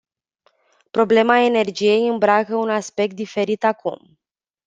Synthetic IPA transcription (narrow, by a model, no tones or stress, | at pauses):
pɾo̞ble̞mae̞ne̞rd͡ʒije̞jɨmbɾakəunaspe̞k̚t̪̚d̪ife̞ɾit̪akʰṵm